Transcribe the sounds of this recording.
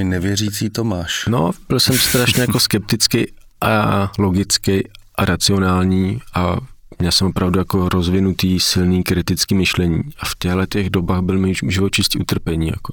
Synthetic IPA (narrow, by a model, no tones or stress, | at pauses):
ɪnɛvjɛriːt͡siːt̪omaːʃno̰b̥ɪlsɛmst̪ɾaʃɲɛjakoskɛp̚t̪ɪt͡skɛj | ʔalo̞ɡɪt͡skɛjʔaɾat͡sɪo̞naːlɲiːʔa | mɲɛlsɛmopɾavdujako̞ɾo̞zvɪnut̪iːsɪlniːkɾɪt̪ɪt͡skiːmɪʃlɛɲḭːʔafc̪ɛɦlɛt̪ɛɣdo̞baːɣbɪlmijʒɪvot͡ʃɪsciʔut̪r̩pɛɲiːja̰ko